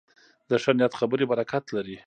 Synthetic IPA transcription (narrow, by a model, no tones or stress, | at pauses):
d̪əʂanjat̪xabəɾebaɾakat̪laɾi